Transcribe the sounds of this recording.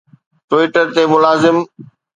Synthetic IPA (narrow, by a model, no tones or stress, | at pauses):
ʈwɪːʈəɾt̪emʊlaːzɪm